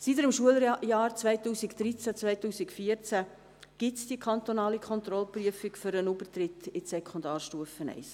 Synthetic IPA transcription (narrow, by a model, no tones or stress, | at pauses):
sitəɾɪmʃuəljɑːɾt͡sʋɛɪtuːsikd̥ɾit͡sæt͡svœɪtuːsikfiɾt͡sæ | ɡ̥ɪtsd̥iəkʰχɑnt̪onɑːlikʰχɔnt̪ɾɔlpryəfɪkfʏɾənubərt̪ɾɪtɪsɛkʰχʊnd̪ɑːrʃtuəfənɛ̰ɪs